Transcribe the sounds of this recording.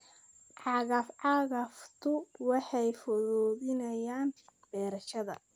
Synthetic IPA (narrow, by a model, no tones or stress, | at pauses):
ʕɑɣɐfʕɑɣɐft̪ʰʊwɑħɑjfɔðɔːðɪnɐjaːnb̥ɛːɾɐʃɐðɐ̰